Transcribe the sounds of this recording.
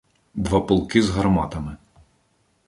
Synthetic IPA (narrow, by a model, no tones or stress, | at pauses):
d̪ʋɑpɔlˠkɪzɦɐrmɑt̪ɐmɪ